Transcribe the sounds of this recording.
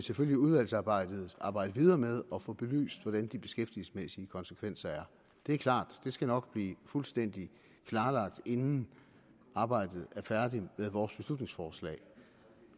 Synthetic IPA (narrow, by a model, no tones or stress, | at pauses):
seføl̰jiuð̞ˠʋæl̰sɑ̈ːb̥ɑ̈ɪ̰d̥ð̞̩ˠʔɑ̈ːb̥ɑ̈ɪ̰d̥əʋið̞ˠɐːmeð̞ˠɒ̽fɔ̽b̥e̝ly̰ːsd̥ʋɒɾ̥ænd̥ib̥e̝̥sɡ̥efd̥ilsə̥smesiəkʰɒ̽nsə̥kʰʋen̰sɐæɐ | d̥e̝æɐkʰlɑ̰̈ːd̥d̥e̝sɡ̥ænɒ̽ɡ̥b̥liːfulsd̥en̰d̥i | kʰlɑ̈ːlɑ̈ɡ̥̚d̥e̝nn̩ | ʔɑ̈ːb̥ɑ̈ɪ̰d̥ð̞̩ˠæɐfæɐd̥imeðˠʋɒːsb̥e̝slud̥ne̝ŋsfɒːslɛ̰ɪ